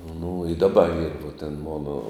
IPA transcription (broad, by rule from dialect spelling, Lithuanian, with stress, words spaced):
nʊ ɪ dɐˈbɐ iːr ʋuɔ tʲɛn ˈmoːnoː